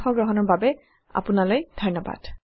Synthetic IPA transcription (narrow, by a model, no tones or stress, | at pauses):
xɔɡɹɔɦɔnɔɹbabɛ | a̰punalojd̥ʱɔnɔba̰d̥